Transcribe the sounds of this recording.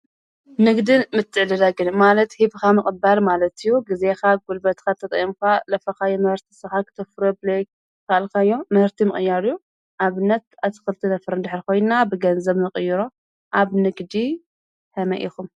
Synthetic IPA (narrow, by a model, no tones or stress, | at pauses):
nɨɡd̪ɨnmɨt̪ʰːɨʕlɨlaɡɨnmalɐt̪hiβkamɨkʼbalmalɐt̪ɨjːuɡize̞xaɡulbɐt̪kʰat̪ʰːɐt̪ʼɐ̰ʔjimkʰalɐfɐxajimɨhɨɾt̪ʰi̥sɨxakʰɨ̥t̪ʰɐfɾoblek̚ | kʰalkʰajːomɨhɨɾt̪ʰimɨχʼɨjːaɾju | ʔaβɨnːɐt̪̚at̪ʰɨ̥xɨlt̪ʰinɐfɾɨnd̪ɨħɾkʰo̞jnabɨɡɐnzɐβnɨqʼɨjːɪɾo | ʔaβnɨɡd̪i | hɐmɐ̰ʔḭxum